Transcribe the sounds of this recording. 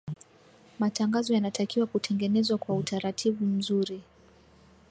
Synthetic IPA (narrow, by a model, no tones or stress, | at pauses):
mataŋɡazɔjanatakiwakutʰɛŋɡɛnɛzwakwautʰaɾatʰivum̩zuɾi